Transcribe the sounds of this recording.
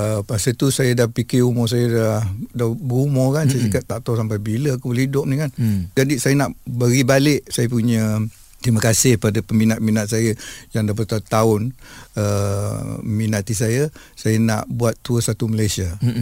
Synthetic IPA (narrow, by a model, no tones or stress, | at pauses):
əpasət̪usajədahpikɪumɔsajədahdabərumɔkansajəsikaʔt̪aʔt̪osampajbiləakuəlidʊʔ̚nikand͡ʒadisajənaʔbəɡibalɪʔsajəp̬uɲə | t̪ɾiməkasɪhpadapəminat̪̚minat̪̚sajəjaŋdapət̪at̪aʊnə | minat̪is̬ajə | sajəna̰ʔbuat̪ːuəsat̪uməlajsia